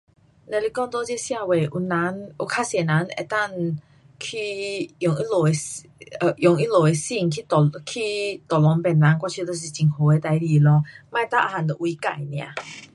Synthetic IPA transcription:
na˨li˧˩kɔ˧ŋt̪ɔ˧˦t͡ɕji˥˧˦sja˥˧we˨˩ʔu˧na˧˦nʔu˧kʰa˧˦˥sɛ˨na˨˦nḛ˨˩t̪a˥˧˨ŋ | kʰi˧jɔ˨ŋi˦lo˨˩e˨˧ | ə˧jɔ˨˩ŋi˦lo˨˩e˨˧si˥˧˨ŋkʰi˦˧˨kʰi˦˧t̪ɔ˨˩lɔ˨˦ŋpɛ˨˩nːa˨˦nkwa˧t͡ɕʰi˧t̪o˧˨s̬i˨˩t͡ɕi˨˩ŋho˨˦e˨˧˦t̪a˧jli˨˩˨lɔ˧˦mã˧t̪a˥˨ʔa̰˧ha˨nt̪o˨ʔwi˧ka̰˨jnj̃ã̰˨˦

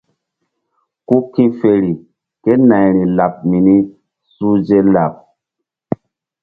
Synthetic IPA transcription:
ku˦kĩ˦fe˨ɾi˨ | ke˦na˨jɾi˨la˨p̚mi˨ni˦ | su˦d͡ʒe˦la˨p̚

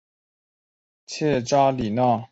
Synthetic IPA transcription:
t͡ɕʰɛ˥˧ʈ͡ʂa˥li˨˩na˥˨

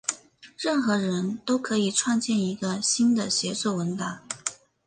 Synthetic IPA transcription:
ɻə˥˩nxɤ˧˥ɻə˧˥nt̪o˥ʊkʰɤ˧˥i˨˩ʈ͡ʂʰwɑ˥˧ŋt͡ɕjɛ˥˩ni˧˥ɡə˧ɕi˥nd̪ə˨ɕjɛ˧˥sɔ˥˩wə˧˥nt̪a˧˥˦ŋ

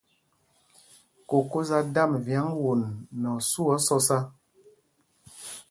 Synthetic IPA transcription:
ko˨ko˦za˦da˦˨mvja˨˦ŋwo˨nːɔ˨su˦ɔ˦sɔ˦sa˦

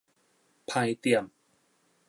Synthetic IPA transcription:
pʰa˧jt̪i˨˩əm

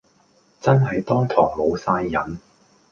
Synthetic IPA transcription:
t͡sɐ˥nɦɐ˨˧jt̪ɔː˥ŋt̪ʰɔː˨˩ŋlo˨˧wsaː˧jːɐ˨˥n

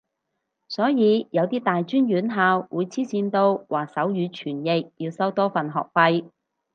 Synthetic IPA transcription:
sɔː˨˥jiː˨˧jɐ˨˧wt̪iː˥t̪aː˨jt͡ʃyː˥njyː˨˥nɦaː˧wwuː˨˧jt͡sʰiː˥t͡siː˧nt̪o˧wwaː˨sɐ˨˥wjyː˨˧t͡ʃʰyː˨˩njɪ˨k̚jiː˧wsɐ˥wt̪ɔː˥fɐ˨˩nɦɔ̰ː˨˩k̚fɐ˧j

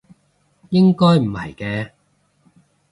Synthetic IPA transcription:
jɪ˥ŋkɔː˥jm̩˨˩hɐ̰˨˩jkɛː˧

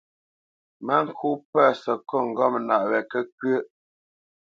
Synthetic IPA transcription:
mə˦ŋ̩˦˨kʰu˦pɛ˦˨sə˨kɔ˦˨ŋ̩˨ɡɔ˦˨m˨na˨ʔwɛ˨kə˦k̚ə˦ʔ

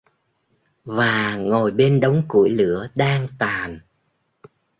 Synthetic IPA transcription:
vaː˨˩ŋo˨˩jɓe˧nɗə˨˦wŋ͡mku˧˩əjlɨ˧˥əɗaː˧ŋt̪aː˨˩n

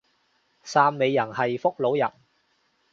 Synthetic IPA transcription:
saː˧mːe˨˧jːɐ˨˩nhɐ˨jfʊ˥k̚lo˨˥wjɐ˨˩n

